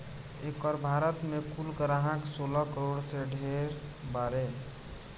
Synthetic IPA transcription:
ekəɾbʱaɾət̪mekulkəɾaɦãksolɔkəɾoɽseɖʱeɾbaɾe

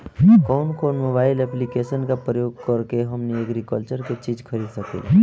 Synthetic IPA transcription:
kɔːnkɔːnmoːbaːɪlɛplikeːsənkapɾəjoːɡ̚kəɾkeɦəmnijəɡɾikəlt͡ʃəɾket͡ʃiːd͡ʒkʰəɾiːd̪səkḛː

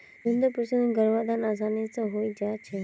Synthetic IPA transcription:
sʊnd̪əpɾəsənɡəɾʋad̪anas̬anit͡səɦoid͡ʒat͡ʃʰe

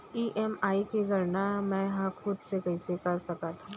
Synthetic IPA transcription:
iːʔɛmaːikeɡɐɾnamɛ̃ːɦãxʊd̪sekɐɪsekɐɾsɐkat̪ʰa

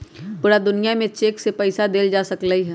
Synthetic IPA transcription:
puːɾad̪ʊnijamẽt͡ʃeːksepɛɪsad̪eːld͡ʒaːsɐkləiɦɛː

